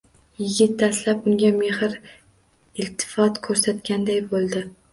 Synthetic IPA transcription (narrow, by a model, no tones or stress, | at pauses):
jɪɡʲɪt̪̚ːaslapʊŋɡʲame̞hɪɾ | ɪlt̪ʰɪ̥fɒt̪kʰɵɾsat̪kʲand̪ajbolˠd̪ɪ